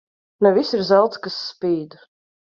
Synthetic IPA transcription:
nɛvisiɾzalˠt̪skasːpiːd̪

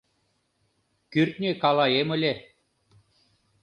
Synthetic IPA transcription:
kyrt̪̚nʲekalˠajemɯlʲe

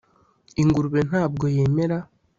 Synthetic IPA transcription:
iŋɡuɾuβe̞n̥aːb̚ɡo̞je̞ːme̞ɾa

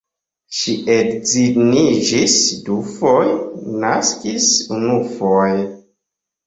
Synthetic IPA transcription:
ʃiʔedzinid͡ʒisdufojnaskisunufoj

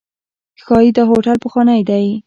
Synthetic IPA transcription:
xɑjid̪əɦoʈalpəxwɑnajd̪aj

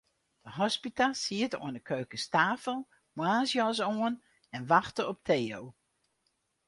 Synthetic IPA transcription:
d̥əɦɔspitalˠsiəto̰ənəkʰøːkəstaːfəlˠ | mwaːzjɔsoən | ɛnʋɑxtəɔp̚tʰeːow

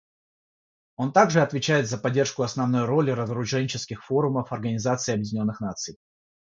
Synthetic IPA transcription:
o̞nt̪aɡʐɨɐt̪vʲɪt͡ɕæjɪt̪zəpɐdʲːe̞rʂkʊɐsnɐvno̞jɾo̞lʲɪɾəzɾʊʐɛnʲɪt͡ɕɪskʲɪxfo̞ɾʊməfɐrɡənʲɪzat̪sɨɪːɐbjɪdʲɪnʲo̞nːɨxnat̪sɨj

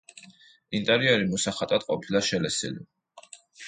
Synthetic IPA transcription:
int̪ʼɛɾiɛɾimɔsaχat̪ʼad̪̥̚qʼɔpʰilaʃɛlɛsḭli

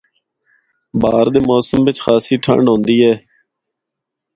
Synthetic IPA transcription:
baːɾd̪eːmoːsəmʋɪt͡ʃxaːsiːʈʰə̰ɳɖɦõːnd̪iːɦɛː

